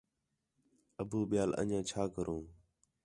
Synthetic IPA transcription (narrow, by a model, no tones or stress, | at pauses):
əbuːɓɪjaːlə̰ɲãːt͡ʃʰaːkəɾʔũː